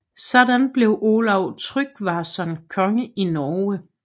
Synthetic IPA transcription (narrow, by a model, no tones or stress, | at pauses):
sɒd̥ænb̥le̝ʊʔolɑʊ̰t͡sʰʁyɡ̥ʋɑ̈sɒnkʰɒ̽ŋəʔinɒːə